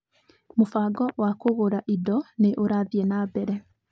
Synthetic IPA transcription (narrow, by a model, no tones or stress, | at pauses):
mofaɡɔwakoɣoɾaʔidɔneʔoɾaðijenabɛɾɛ